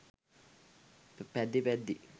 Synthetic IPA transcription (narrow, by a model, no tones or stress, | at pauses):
ppɛd̪ipɛd̪i